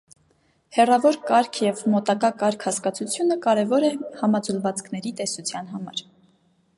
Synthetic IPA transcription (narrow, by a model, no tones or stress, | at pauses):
hɛrɑvɔɾkɑɾkʰjɛvmɔt̪ɑkɑkɑɾkʰhɑskɑt͡sʰut͡sʰjunəkɑɾɛvɔɾɛhɑmɑd͡zulvɑt͡skʰn̪ɛɾit̪ɛsut͡sʰjɑn̪ɦɑmɑ̰ɾ